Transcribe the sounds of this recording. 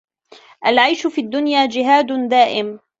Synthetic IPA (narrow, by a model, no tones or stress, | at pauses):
ʔalʕajʃʊfiːd̪ːʊnjaːd͡ʒɪɦaːd̪d̪aːʔɪm